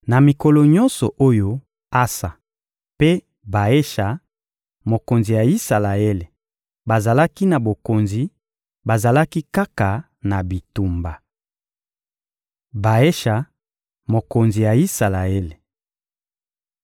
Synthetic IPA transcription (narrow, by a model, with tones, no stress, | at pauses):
na˨mi˨kɔ˨lɔ˨ɲɔ̃˦nsɔ˨ʔo˦jo˦ | a˦sa˨ | pe˦ | ba˨e˦ʃa˨ | mo˨ko˨nzi˨ja˨i˦sa˨la˨e˦le˨ | ba˨za˨la˦ki˦na˨bo˨ko˨nzi˨ | ba˨za˨la˦ki˦ka˦ka˨ | na˨bi˨tu˨mba˨ | ba˨e˦ʃa˨ | mo˨ko˨nzi˨ja˨i˦sa˨la˨e˦le˨